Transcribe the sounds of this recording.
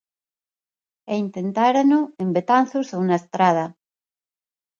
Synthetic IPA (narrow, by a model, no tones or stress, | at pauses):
eint̪ent̪aɾanoembet̪an̟θosounaest̪ɾað̞ɐ